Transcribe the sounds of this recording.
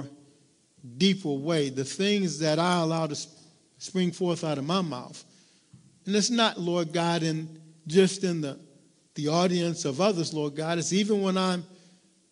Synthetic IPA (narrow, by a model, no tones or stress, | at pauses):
dipʰə˞weɪðɨθɪ̃ŋzðɨɾaɪəlaʊɾɨs | spɹɪ̃ŋfɔɹθaʊɾʌvmaɪma̰ʊθ | ɨ̃nɨtsnətˡlɔɹd̚ɡɑɾɨ̃nd͡ʒʌstɨ̃nðə | ðiɔɾiɨ̃nsʌvʌðə˞zlɔɹd̚ɡɑɾɨtsivɨ̃nwə̃nãɪ̃m